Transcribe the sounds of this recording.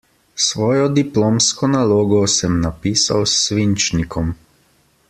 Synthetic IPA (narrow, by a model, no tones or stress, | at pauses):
sʋɔːjɔd̪iploːmskɔnaloːɡɔsɛmnapiːsa̰wsːʋint͡ʃnikʰɔm